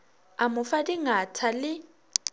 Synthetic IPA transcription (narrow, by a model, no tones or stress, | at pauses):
amʊfadiŋatʰalɪ